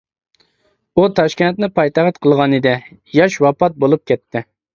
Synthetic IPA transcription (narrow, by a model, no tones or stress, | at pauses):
ut̪ʰɑʃkʲɛnt̪nɪpʰɑjt̪ɑʁət̪qʰəlˠʁɑnɨd̪ɛjɑʃwɑpɑt̪̚bolˠup̚kʲɛt̪ʰːɪ